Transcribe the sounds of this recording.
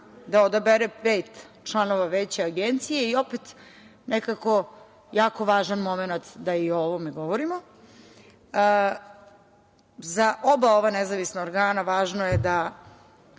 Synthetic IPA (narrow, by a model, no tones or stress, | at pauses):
d̪aod̪abeɾepeːt̪t͡ʃlˠano̞ʋaʋet͡ɕeaɡent̪sijeio̞pet̪ | nekako̞ | jaːko̞ʋaːʒanmo̞menat̪d̪aiooʋomeɡo̞ʋoɾimo | zaʔobao̞ʋanezaʋisnaoɾɡaːnaʋaːʒnojed̪a